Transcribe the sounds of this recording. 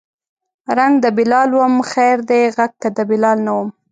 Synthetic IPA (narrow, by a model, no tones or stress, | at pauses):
ɾaŋɡd̪əbɪlɑlwəmxajɾd̪eɣaɡ̚t̪ad̪əbɪlɑlnawəm